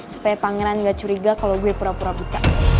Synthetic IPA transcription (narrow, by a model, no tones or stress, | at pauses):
su̥pajapaŋɛɾanɡat͡ʃuɾiɡakalowɡuɛpuɾapuɾabut̪a